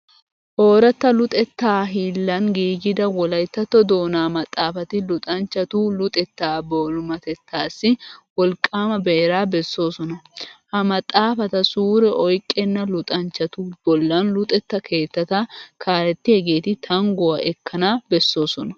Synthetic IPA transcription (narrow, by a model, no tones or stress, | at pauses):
ʔo̞ːɾɐt̪ːɐlʊt̪ʼɛt̪ːaːɦiːlːɐnɡiːɡɪd̪ɐwɔlɐjt̪ːɐt̪ːɔd̪o̞ːnaːmɐt̪ʼːaːfɐt̪ɪlʊt̪ʼɐnt͡ʃːɐt̪ulʊt̪ʼɛt̪ːaːboːlʊmɐt̪ɛt̪ʰːaːsːɪwɔlkʼːaːmɐbɛɛɾaːbɛsːo̞ːsɔnɐhɐmɐt̪ʼːaːfɐt̪ɐsuːɾɛʔɔjkʼːɛnːɐlʊt̪ʼɐnt͡ʃːɐt̪ub̥ɔlːɐnlʊt̪ʼɛt̪ːɐkʰe̞ːt̪ːɐt̪ɐkʰaːlɛt̪ːɪhɛɡe̞ːt̪ɪt̪ʰɐŋɡɔwɐʔɛkːɐnaːbɛsːo̞ːsɔnɐ